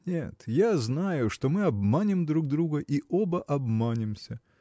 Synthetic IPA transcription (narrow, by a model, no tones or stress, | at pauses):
nʲet̪jaznajʊʂt̪o̞mɨɐbmanʲɪmd̪ɾuɡd̪ɾuɡəʔiʔobəʔɐbmanʲɪmsʲə